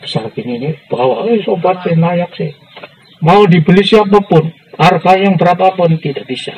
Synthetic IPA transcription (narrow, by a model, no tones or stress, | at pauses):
b̥ə̥sarkininib̥awaesopat̪sehnajak̚sɪh | maud̪ibəlisiap̬apʊn | arkajaŋbəɾapapʊnt̪idaʔb̥isa̰